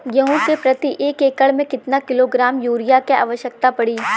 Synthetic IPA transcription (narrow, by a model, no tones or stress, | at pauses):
jɐɦõkepɾɐt̪iʔeːeːkəɭmẽkɪt̪nakɪloɡɾaːmjuːɾɪjakea̰ːʋəʃjək̚t̪apɐɽiː